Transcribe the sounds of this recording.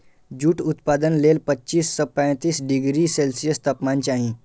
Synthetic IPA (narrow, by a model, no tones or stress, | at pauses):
d͡ʑuːʈut̪pad̪ənlelpətːɕiːst͡sɔpə̃j̃t̪iːsɖiɡɾiːselsijəst̪əpmãɲt͡ɕaɦĩ